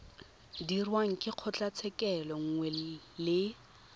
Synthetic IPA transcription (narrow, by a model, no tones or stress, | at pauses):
dirwaŋ̩kʼɪq͡χʰɔt͡ɬʼat͡sʰɛkʼɛlɔŋ̩ŋwɛ | lɪ